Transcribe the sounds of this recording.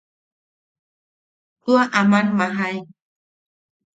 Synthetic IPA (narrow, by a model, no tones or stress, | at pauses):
t̪uaʔamanmaɦaj